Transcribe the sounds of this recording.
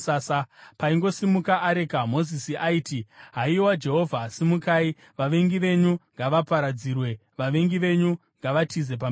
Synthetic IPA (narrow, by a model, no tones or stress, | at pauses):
asapaiŋɡo̞simukaʔːɾe̞kamo̞zisiʔaiːtiɦaiwad͡ʒe̞ɦo̞vʱasimukaːi | ʋaʋe̞ŋɡiʋe̞ɲuŋɡaʋapaɾad͡ziːrwe̞ʋaʋe̞ŋɡiʋe̞ɲu | ŋɡaʋatʰize̞p̬am